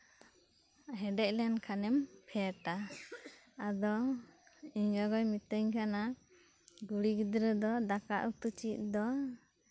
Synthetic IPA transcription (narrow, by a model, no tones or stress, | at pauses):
ɦɛɖɛc̚lɛnkʰanɛmpʰɛaʈa | ad̪ɔ | iɲɡaɡɔjmit̪əɲkʰana | ɡuɽiɡid̪ɾɛd̪ɔd̪aka̰ʔut̪ut͡ʃit̪̚d̪ɔ